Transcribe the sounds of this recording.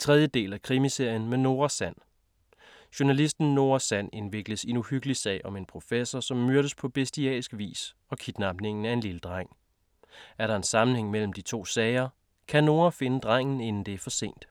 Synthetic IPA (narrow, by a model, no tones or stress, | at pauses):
t͡sʰʁɛð̞ˠjəd̥e̝̰ːlækʰʁimise̝ɐ̰jənmeno̝ːɐsæn̰ | ɕonælisd̥n̩ːo̝ːɐɐsæn̰e̝nʋe̝ɡ̥ləse̝nuhyɡ̥əlisɛ̰ːɪɒ̽me̝npʰʁo̝fesɐsɒ̽mːøɐɾəspʰɒ̽b̥esd̥iɛ̰ːsɡ̥ʋḭːs | ɒ̽kʰid̥nɑ̈b̥ne̝ŋn̩æe̝nliləd̥ʁɑŋ̰ | æɐɾɑ̈e̝nsɑ̈mn̩heŋ̰mel̰m̩d̥it͡sʰo̝̰ːsɛɪɐ | kʰæno̝ːɐfe̝nəd̥ʁaŋ̰n̩e̝nn̩d̥e̝æɐfɒ̽se̝̰ːnd̥